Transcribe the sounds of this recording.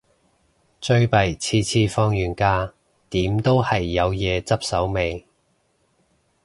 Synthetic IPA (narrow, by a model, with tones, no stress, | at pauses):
t͡sɵ˧ɥpɐ˨˩jt͡sʰiː˧t͡sʰiː˧fɔː˧ŋjyː˨˩nkaː˧ | t̪iː˨˥mt̪o˥whɐ˨jːɐ˨˧wjɛː˨˧t͡sɐ˥p̚sɐ˨˥wme˨˧j